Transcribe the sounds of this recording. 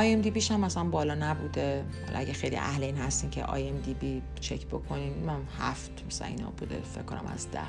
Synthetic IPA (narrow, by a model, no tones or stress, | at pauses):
ɒjemd̪ibiːʃæmːæsælænbɒːlɒːnæbuːd̪e | hɒ̰lʔɒ̰æɟexejlḭʔæhleiːnhæst̪iːncʰḛʔɒ̰ːjemd̪ibi | t͡ʃʰecʰbokʰo̞niːnmænhæft̪mæsælæ̰nḭnɒ̰buːd̪ḛfḛcʰːonæ̰mæ̰zd̪æ̰h